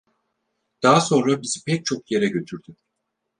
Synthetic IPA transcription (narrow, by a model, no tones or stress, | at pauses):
d̪̥aːaso̞nɾabizipʰɛc̚t͡ʃʰo̞kje̞ɾɛɟø̞t̪ʰyɾd̪y